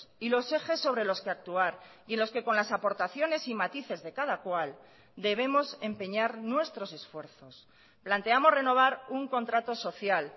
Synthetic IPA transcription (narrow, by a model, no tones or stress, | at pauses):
ilo̞se̞xe̞sːo̞β̞ɾe̞lo̞skeak̚t̪uaɾie̞nlo̞ske̞ko̞nlasapo̞ɾt̪aθjo̞ne̞simat̪iθe̞zðe̞kaðakwal | d̪e̞βe̞mo̞se̞mpe̞ɲaɾnwe̞st̪ɾo̞se̞sfwe̞ɾθo̞s | plant̪e̞amo̞zre̞no̞β̞aɾuŋko̞nt̪ɾat̪o̞so̞θjal